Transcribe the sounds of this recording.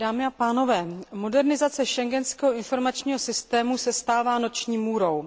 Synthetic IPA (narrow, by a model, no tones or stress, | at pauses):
daːmɪapaːno̞vɛːmo̞dɛɾnɪzat͡sɛʃɛŋɡɛnskɛːɦoɪnfo̞ɾmat͡ʃɲiːɦo̞sɪst̪ɛːmusɛst̪aːvaːno̞t͡ʃɲiːmuːɾo̞w